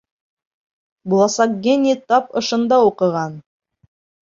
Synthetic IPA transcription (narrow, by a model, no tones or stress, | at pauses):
bulˠɑsɑkɡʲenʲit̪ɑpɤ̆ʃɤ̆nd̪ɑuqɤ̆ʁɑn